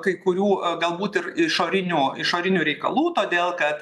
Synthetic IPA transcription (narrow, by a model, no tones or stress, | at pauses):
kɐɪkʊɾʲuːɡɐlˠbuːt̪ɪɾɪʃoːɾʲɪnʲuːɪʃoːɾʲɪnʲuːɾʲɛɪkɐ̰lˠuːt̪oːd̪ʲeːlˠkɐt̪